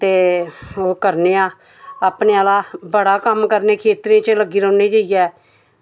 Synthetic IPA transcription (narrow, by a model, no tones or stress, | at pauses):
t̪eːoːkəɾneːãː | aːpneːalaːbəɽaːkəmkəɾneːkʰeːt̪ɾiãːt͡ʃələɡiːɾə̃ːneːd͡ʒaːijɛː